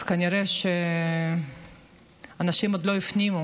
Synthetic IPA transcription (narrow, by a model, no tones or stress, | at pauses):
kaniɾeʃe | anaʃimod̪lo̞jifnimu